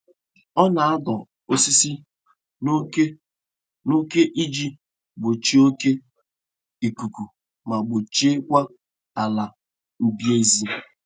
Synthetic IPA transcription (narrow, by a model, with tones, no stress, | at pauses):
ɔ˦na˨a˦dɔ˨ | o˦si˦si˦ | ke˦ | no˦ke˦ʔi˦d͡ʒi˦ | ɡ͡bo˨t͡ʃi˦o˦ke˦ | i˨ku˨ku˨ | ma˨ɡ͡bʊ˨t͡ʃe˦kʷa˦ | a˨la˨ | m̩˦bje˦zi˦